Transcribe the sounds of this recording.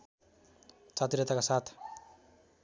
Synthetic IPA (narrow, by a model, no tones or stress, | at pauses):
t͡sat̪iɾʌt̪akasat̪ʰ